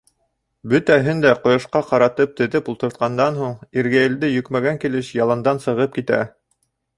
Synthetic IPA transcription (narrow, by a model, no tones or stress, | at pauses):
bɵt̪æɦɘnd̪æqŏjŏʃqɑqɑɾɑt̪ɤp̚t̪ɘ̆ðɘpulˠt̪ɤ̆ɾt̪̚qɑnd̪ɑnɦuɴiɾɡæjɘ̆ld̪ɘjɵ̆kmæɡæŋkilɘʃjɑlˠɑnd̪ɑnsɤ̆ʁɤp̚kit̪æ̰